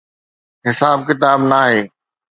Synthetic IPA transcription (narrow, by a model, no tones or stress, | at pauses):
ɦɪsaːb̚kɪt̪aːbnaːɦeː